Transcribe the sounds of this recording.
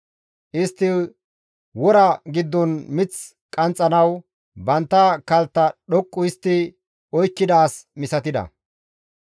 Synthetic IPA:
ʔɪst̪ːɪ | wɔɾɐɡɪd̪ːɔnmɪt͡s | kʼɐnt͡sʼːɐnɐw | bɐnt̪ːɐkɐlt̪ːɐɗɔkʼːʊɪst̪ːɪ | ɔjkːɪd̪aːsmɪsɐt̪ɪd̪ɐ̰

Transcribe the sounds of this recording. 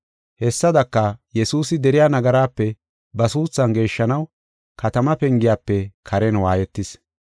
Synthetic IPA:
hɛsːɐd̪ɐkːɐjɛsuːsɪd̪ɛɾɪjaːnɐɡɐɾaːpːɛ | bɐsuːt͡sːɐnɡe̞ːʃːɐnɐw | kɐt̪ɐmɐpɛŋɡɪjaːpːɛkʰɐɾɛnwaːjɛt̪ːɪs

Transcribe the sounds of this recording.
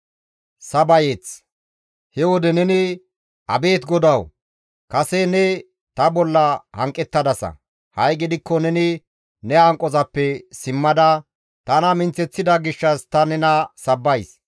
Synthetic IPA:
sɐbɐjet͡s | hɛwɔd̪ɛnɛnɪ | ɐ̰be̞ːt̪ɡɔd̪ɐw | kɐsɛnɛ | t̪ɐbɔlːɐhɐŋkʼːɛt̪ːɐd̪ɐsɐ̰ | hɐjɡɪd̪ɪkːɔnɛnɪ | nɛhɐŋkʼːɔzɐpːɛsɪmːɐd̪ɐ | t̪ɐnɐmɪnt͡sːɛt͡sːɪd̪ɐɡɪʃːɐst̪ɐnɛnɐsɐbːɐjs

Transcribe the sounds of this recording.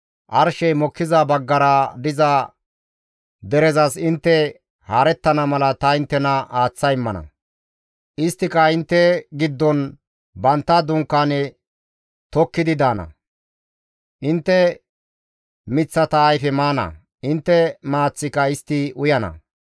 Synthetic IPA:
ʔɐɾʃɛjmɔkːɪzɐbɐɡːɐɾɐd̪ɪzɐ | d̪ɛɾɛzɐsɪnt̪ːɛ | haːɾɛt̪ːɐnɐmɐlɐt̪ɐɪnt̪ːɛnɐaːt͡sːɐjɪmːɐnɐ̰ | ʔɪst̪ːɪkɐɪnt̪ːɛɡɪd̪ːɔn | bɐnt̪ːɐd̪ʊŋkːaːnɛ | t̪ɔkːɪd̪ɪd̪aːnɐ̰ | ʔɪnt̪ːɛ | mɪt͡sːɐt̪ɐːjfɛmaːnɐ̰ | ɪnt̪ːɛmaːt͡sːɪkɐɪst̪ːɪʊjɐnɐ̰

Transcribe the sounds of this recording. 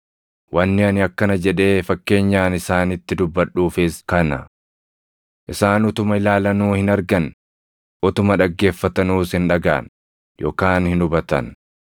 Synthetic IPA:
wʔɐnːɪɐnɪɐkːɐnɐd͡ʒɛᶑe̞ːfɐkːe̞ːɲːaːnɪsaːnɪt̪ːɪd̪ʊbːɐᶑːuːfɪskɐnɐ | ʔɪsaːnʊt̪ʊmɐɪlaːlɐnuːhɪnɐɾɡɐn | ʔɔt̪ʊmɐᶑɐɡːe̞ːfːɐt̪ɐnuːsɪnᶑɐɡa̰ːn | jʔo̰ːkaːnhɪnʊbɐt̪ɐ̰n

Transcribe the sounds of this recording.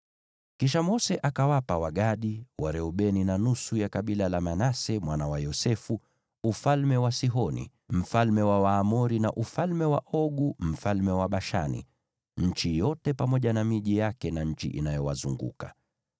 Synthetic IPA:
kiʃ̬amɔsɛʔakawapawaɠaɗiwaɾɛuɓɛninanusujakaɓilalamanasɛmwanawajɔsɛfu | ufalmɛwasiɦɔnḭ | m̩falmɛwawaːmɔɾinaʔufalmɛwaʔɔɠum̩falmɛwaɓaʃa̰nḭ | ɲ̩t͡ʃijɔtɛpamɔʄanamiʄijakɛnaɲ̩t͡ʃḭʔinajɔwa̰zṵŋɡṵka

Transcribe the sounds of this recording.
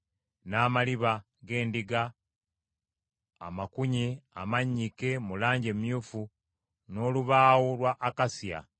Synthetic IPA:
naːmaliβa | ɡe̞ːndiɡa | makuɲia̰maɲːike̞mulaːɲɟemjuːfu | no̞ːluβaːwolwaʔːkasija̰

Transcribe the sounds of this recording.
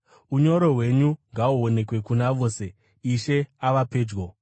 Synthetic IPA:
uɲo̞ɾo̞ɦwe̞ɲuŋɡauo̞ne̞kwe̞kunaʋo̞ːse̞ | iʃe̞aʋape̞ːd͡ʒɡo

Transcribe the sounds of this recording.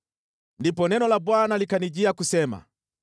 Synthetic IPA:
ndipɔnɛnɔlabwanalikaniʄiakusɛma̰

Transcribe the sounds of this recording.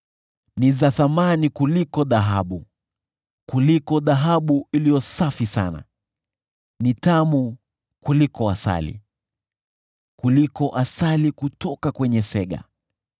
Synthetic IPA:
nizaθamanikulikɔðaɦaɓu | kulikɔðaɦaɓuilijɔsafisa̰na̰ | nitamu | kulikɔasa̰lḭ | kulikɔʔasalikutɔkakwɛɲɛsɛɠa̰

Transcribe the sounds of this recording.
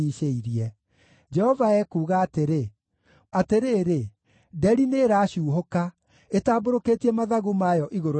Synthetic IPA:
iːʃeiɾiɛ | d͡ʒɛhɔvaɛkuːɣaːteɾe | ateɾeːɾe | dɛɾineɾaːɕuːɦoka | etaːboɾokeːtiɛmaðaɣumajɔʔiɣoɾo

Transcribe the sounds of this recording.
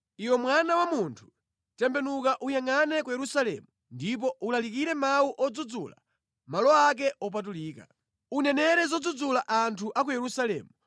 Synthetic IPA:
iwɛmwanawamuntʰu̥ | tɛmbɛnukaʔujaŋanɛkujɛɾusalɛ̰mu | ndip̬ɔʔulalikiɾɛmauʔɔd͡zud͡zṵːla̰ | malɔak̬ɛʔɔp̬at̬uliːka̰ | unɛnɛɾɛzɔd͡zud͡zulaʔantʰuʔak̬ujɛɾusalɛ̰ːmu

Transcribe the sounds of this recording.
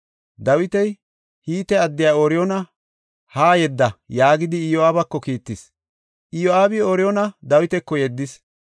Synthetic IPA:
d̪ɐwɪt̪ɛj | hiːt̪ɛɐd̪ːɪjaːoɾɪjɔnɐ | haːjɛd̪ːɐjaːɡɪd̪ɪːjɔaːbɐkːɔkiːt̪ːɪs | ʔɪjoaːbɪoɾɪjɔnɐd̪ɐwɪt̪ɛkːɔjɛd̪ːɪs

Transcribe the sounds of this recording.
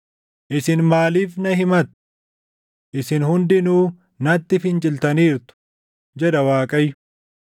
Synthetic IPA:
ʔɪsɪnmaːliːfnɐɦɪmɐt̪ | ʔɪsɪnhʊnd̪ɪnuː | nɐt̪ːɪfɪnt͡ʃʼɪlt̪ɐniːɾt̪ʊ̥ | d͡ʒɛᶑ̪ɐwaːkʼɐjʊ

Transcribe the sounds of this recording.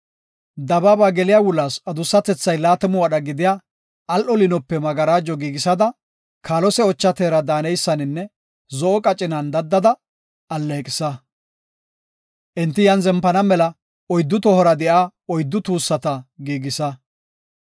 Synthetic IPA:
d̪ɐbaːbaːɡɛlɪjaːwʊlːaːsɐd̪ʊsːɐt̪ɛt͡sːɐjlaːt̪ɛmʊwɐɗɐɡɪd̪ɪja | ʔːlʔɔlɪnɔpːɛmɐɡɐɾaːd͡ʒɔɡiːɡɪsɐd̪ɐ | kʰaːlɔsɛɔt͡ʃːɐt̪eːɾɐd̪aːnɛjsːɐnɪnːɛ | zɔʔɔkʼɐt͡ʃʼɪnɐnd̪ɐd̪ːɐd̪ɐ | ɐlːekʼɪsɐ | ʔɪnt̪ːɪjɐnzɛmpːɐnɐmɛlɐ | ɔjd̪ːʊt̪ɔhɔɾɐd̪ɛʔaːɔjd̪ːʊt̪uːsːɐt̪ɐɡiːɡɪsɐ

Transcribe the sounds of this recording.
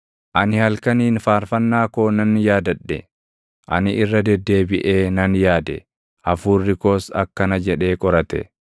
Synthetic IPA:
ʔɐnɪhɐlkɐniːnfaːɾfɐnːaːko̞ːnɐnjaːd̪ɐɗːɛ̰ | ʔɐ̰nɪʔɪrːɐd̪ɛd̪ːe̞ːbɪʔe̞ːnɐnjaːd̪ɛ̰ | ʔɐfuːrːɪkoːsɐkːɐnɐd͡ʒɛᶑe̞ːkʼɔɾɐt̪ɛ̰

